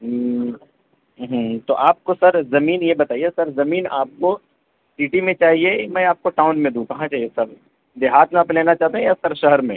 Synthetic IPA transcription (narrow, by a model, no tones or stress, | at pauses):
ɦt̪oʔaːp̚kosɐɾzɐmiːnjebɐt̪aːiesɐɾzɐmiːnaːp̚ko | siːʈimẽt͡ʃaːɦiemɛ̃aːp̚koʈaːʊnmẽd̪ũkɐɦãt͡ʃaːɦiesɐɾ | d̪eɦaːt̪mẽaːpleːnat͡ʃaːɦt̪eɦɛ̃jasɐɾʃɐɦəɾmḛ̃ː